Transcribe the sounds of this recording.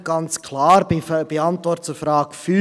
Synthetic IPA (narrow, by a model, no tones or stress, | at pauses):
ɡ̥ɑnt͡skʰlɑːɾb̥iɑnt̪vɔrtt͡sʊfɾɑːkfy